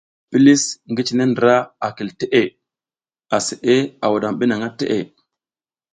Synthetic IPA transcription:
pi˦li˦sŋɡi˦t͡ʃi˨ne˦ndɾa˦a˨ki˨lte˦ʔe˦˨ | a˨se˨ʔe˦a˨wa˨ɗa˨mɓi˦na˨ŋa˦tḛ˦ʔe˨

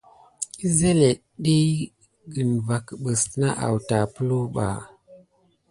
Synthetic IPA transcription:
i˦ze˦le˨ | ɗi˦ | ɡə˨nva˨kɓə˨sna˦ʔa̰˨wta˨pə˦lu˦ɓa̰˨

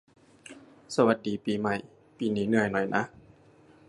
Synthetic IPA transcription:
sa˧wa˨˧˦t̪̚diː˨˦piː˨˦ma˧˩˨j | piː˨˦niː˨˦nɯ˧ɐjnɔ˨˩˦jnʔa̰˧˦

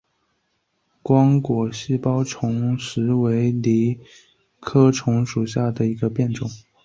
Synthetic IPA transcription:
kwɑ˥ŋkwɔ˨˩ɕi˥pɑ˥ʊʈ͡ʂʰʊ˧˥ŋʂɻ̩˧˥we˧˥ɪli˧˥ | kʰɤ˥ʈ͡ʂʰʊ˧˥ŋʂu˨˩ɕja˥˩d̪ə˩i˧˥ɡə˧pjɛ˥˩nʈ͡ʂʊ˨˩˦ŋ

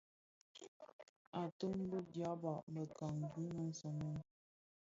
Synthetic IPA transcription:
a˨tə˦ŋ˦bə˦dja˦ba˨ʔmbə˨ka˨ŋ˨ɡʉ˦nə˨n̩˦sə˨ŋə˦n

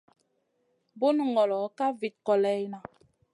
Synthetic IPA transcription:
bo˦nu˨ŋɡɔ˨lɔ˨˦ka˦vi˨t̚kɔ˨lɛ˦jna˨

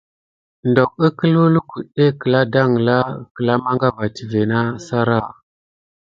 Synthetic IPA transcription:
ndɔ˨k̚ə˦kə˦lu˦lu˦ku˨ɗe˦kə˨la˦da˦ŋ˨la˦kə˨la˦ma˦ŋɡa˦va˨ti˨ve˨na˦sa˦ɾa˦˨

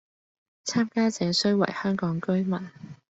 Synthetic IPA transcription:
t͡sʰaː˥mkaː˥t͡sɛː˨˧sɵ˥ɥwɐ̰˨˩jhœː˥ŋkɔː˨˥ŋkɵ˥ɥmɐ˨˩n

